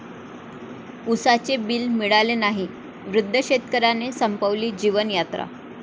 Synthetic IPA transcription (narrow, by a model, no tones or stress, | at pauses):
usat͡sebiːlmiɭalenaɦi | ʋɾud̪ʱːəɕet̪kəɾanesəmpəʋliːd͡ʑiʋənjat̪ɾa̰